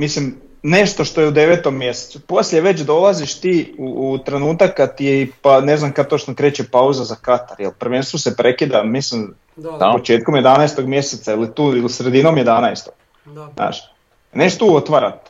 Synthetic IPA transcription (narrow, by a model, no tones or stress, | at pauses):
mislim | ne̞ʃt̪o̞ʃt̪o̞jeud̪e̞ʋet̪omːje̞se̥t̪supo̞sʎʲeʋe̞t͡ɕd̪o̞lˠaziʃt̪iːuːt̪ɾe̞nuːt̪akːad̪̚t̪ijeipaneznamkad̪̚t̪oʃt͡ʃnokɾeːt͡ɕepauzazakat̪aɾjelprʋenst̪oʋosepɾe̞kid̪amislim | apot͡ʃeːt̪̚komje̞d̪anaest̪o̞ɡmje̞set̪sailit̪uːilisɾe̞d̪inomjed̪anaest̪oɡ̥ | znʔa̰ːʃ | neʃt̪uːot̪ʋaɾa̰t̪